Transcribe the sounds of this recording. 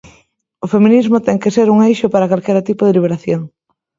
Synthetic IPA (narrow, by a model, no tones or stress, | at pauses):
ʊfemĩnizmʊt̪ɛŋkɪseɾuŋejʃʊpaɾɐkalkɛɾat̪ipʊðeliβeɾaθjoŋ